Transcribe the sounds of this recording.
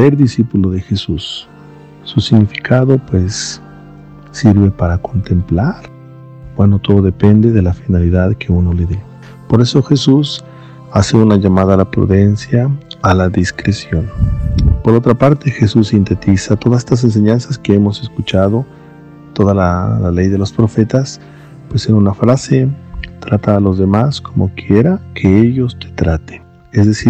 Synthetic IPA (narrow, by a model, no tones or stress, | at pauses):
se̞ɾðisipulo̞ðe̞xesusː | usiɣnifi̥kʰaðo̞pwe̞s | iɾβe̞paɾako̞nt̪e̞mplaɾ | bwe̞no̞t̪o̞ðo̞ðe̞pe̞nd̪e̞ðe̞lafinaliðaðkʰe̞uno̞leðe | po̞ɾe̞so̞xe̞sus | ase̞unaʝamaðalapɾṵðe̞nsjaːlaðiskɾesjo̞npo̞ɾo̞t̪ɾapaɾt̪e̞xe̞susːint̪e̞t̪isat̪o̞ðasest̪as̬e̞ns̬e̞ɲansaske̞e̞mo̞se̞skut͡ʃaðo̞ | t̪o̞ðalalale̞jðe̞lo̞spɾo̞fe̞t̪as | pwe̞senunafɾase̞t̪ɾat̪aːlo̞zðe̞maskʰo̞mo̞kje̞ɾakʰe̞eʝo̞st̪e̥t̪ɾat̪en | ezðe̞siɾ